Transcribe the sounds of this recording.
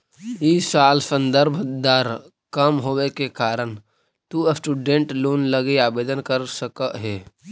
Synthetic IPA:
isaːlsə̃nd̪əɾbʱd̪aːɾ | kəmɦoːwekekaːɾən | t̪uəsʈuːɖẽɳʈloːnləɡeaːbeːd̪ənkəɾsəkəʔɦeː

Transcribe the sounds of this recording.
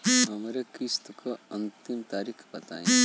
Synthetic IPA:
ɦɐmɾekist̪kaɐ̃nt̪imt̪aːɾikʰbɐt̪a̰ːẽ

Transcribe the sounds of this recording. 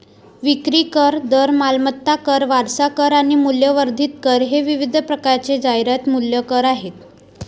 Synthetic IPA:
ʋikɾiːkəɾd̪əɾmalmət̪ːakəɾʋaɾsakəɾaɽ̃imuljəʋəɾd̪ʱit̪kəɾɦeʋiʋid̪ʱpɾəkaɾt͡sed͡zajɾjat̪muljəkəɾaɦet̪

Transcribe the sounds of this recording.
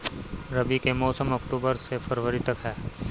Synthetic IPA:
ɾɐbikemɔːsəmɐkʈuːbəɾsefɐɾʋəɾit̪ɐkɦɛː

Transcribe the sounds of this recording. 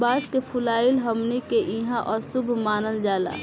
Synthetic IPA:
baːskepʰʊlaːɪlɦəmnekeʔĩɦãʔɔːɾsʊbʱmaːnəld͡ʒaːla̰ː

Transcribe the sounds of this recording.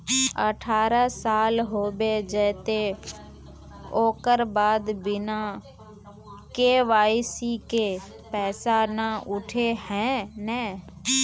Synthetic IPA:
ə̰ʈʰaːɾasaːlɦoːbed͡ʒɛːt̪e | oːkəɾbaːd̪bɪna | keʋaːisike | pɛːsanaʊʈʰehɛ̃nɛ̃ː

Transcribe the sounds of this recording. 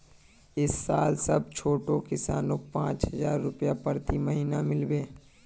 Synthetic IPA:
ɪsːaːlsɐb̚t͡ʃʰoːʈokɪsaːnõːk̚pãːt͡ʃɦɐzaːɾːʊpjapəɾt̪iməɦiːnamɪlbeː

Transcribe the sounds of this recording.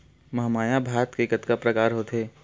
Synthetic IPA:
mɐɦmaːjabʱaːɾət̪keːkət̪kapɾɐkaːɾɦoːt̪ɦeː

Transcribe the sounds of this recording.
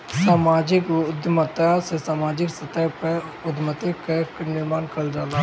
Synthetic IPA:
saːmaːd͡ʒɪkd̪mət̪asesaːmaːd͡ʒɪksɐt̪əjpəʊd̪mət̪ɪkeknɪɾmaːnkɐld͡ʒaːlaː

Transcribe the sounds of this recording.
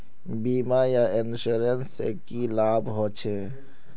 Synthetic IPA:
biːmajaɪnʃuɾənsḛkilaːbɦoːt͡ʃʰe

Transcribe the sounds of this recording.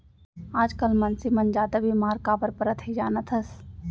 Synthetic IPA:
aːd͡ʒkəlmɐnsimɐnd͡ʒaːd̪abʱimaːɾkabəɾpəɾət̪ɦid͡ʒaːnət̪ʰəs

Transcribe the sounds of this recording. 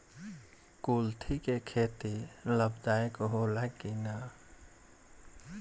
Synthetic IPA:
kuːlt̪ʰikekʰeːt̪iləbd̪aːekɦolakina

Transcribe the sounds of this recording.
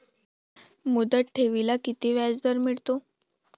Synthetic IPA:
mud̪əʈ̚ʈʰeʋilakit̪iʋjad͡zd̪əɾmiɭt̪o

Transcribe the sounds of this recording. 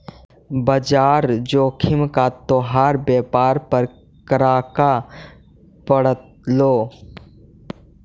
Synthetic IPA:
bəd͡ʒaːɾd͡ʒoːkʰɪmkat̪oːɦaːɾbeːpaːɾpəɾ | kəɾaːka | pəɽət̪ | loː

